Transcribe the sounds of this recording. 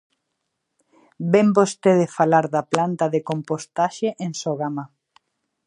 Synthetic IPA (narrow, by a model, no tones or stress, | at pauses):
bembost̪eðefalaɾðaplant̪ɐðekompost̪aʃeʔensoɣama